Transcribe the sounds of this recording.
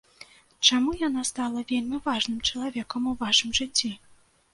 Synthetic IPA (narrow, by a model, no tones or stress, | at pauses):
t͡ʂamujan̪ast̪alˠɐvʲelʲmʲivaʐnɨmt͡ʂɐlˠavʲɛkɐmuvaʂɨmʐɨt͡sʲːi